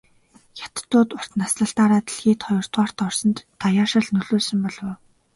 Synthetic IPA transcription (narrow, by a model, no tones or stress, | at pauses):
jḁt̪̆t̪ːʊːt̪ʊr̥t̪nasɮə̆ɬt̪aːɾaːt̪iɮxiːt̪ʰχɔjɞ̆r̥t̪waːr̥t̪ɔrsɞ̆nt̪ːajaːʃə̆ɮnɵɮoːsɵ̆mpɔɮwʊː